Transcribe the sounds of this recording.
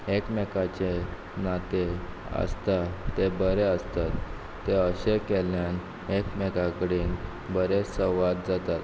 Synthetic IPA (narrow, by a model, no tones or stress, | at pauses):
ekmekat͡ɕe | nat̪e | ə̰st̪at̪ebəɾeəst̪at̪ː | eəɕekeljan | ekmekakəɽiːn | bəɾesəʋat̪̚d͡zat̪at̪